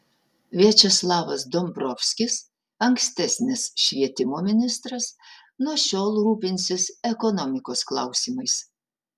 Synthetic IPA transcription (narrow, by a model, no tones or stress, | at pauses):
ʋʲiɛt͡ʃʲɛslˠɑːʋɐsd̪ɔmbɾɔfʲsʲkʲɪs | ɐŋʲksʲt̪ʲɛsʲnʲɪsʃʲʋʲiɛt̪ʲɪmoːmʲɪnʲɪst̪ɾɐs | nuɔʃʲoːlˠɾuːpʲɪnʲsʲɪsɛkɔnɔmʲɪkoːsklˠɑˑʊsʲiːmɐɪs